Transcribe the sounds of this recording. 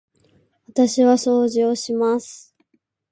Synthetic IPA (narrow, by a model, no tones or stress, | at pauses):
βat̪aɕiβaso̞ːʑioɕimasɨ̥